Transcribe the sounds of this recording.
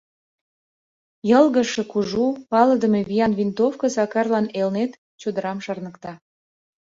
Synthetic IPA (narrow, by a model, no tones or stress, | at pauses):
jəlɣəʃĕkuʒupɑləd̪əmevijɑnvʲint̪ofkəsɑkɑrlɑnelnet̪ | t͡ɕud̪əɾɑmʃɑrnəkt̪ɑ